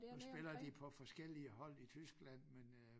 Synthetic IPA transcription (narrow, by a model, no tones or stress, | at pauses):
nusb̥e̝lɐd̥ipʰɒ̽fɒ̽sɡ̥el̰iəɦɒ̽l̰it͡sʰysɡ̥læn̰men